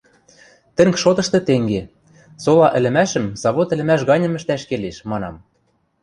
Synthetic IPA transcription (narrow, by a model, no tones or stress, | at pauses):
t̪ɘ̆ŋkʃot̪ɤ̆ʃt̪ɤ̆t̪eŋɡe | solɑʔɘ̆lɘ̆mæʃə̆mz̥ɑβot̪ɘ̆lɘ̆mæʃ̬ɣɑnʲɤ̆mɘ̆ʃt̪æʃkeleʃmɑnɑm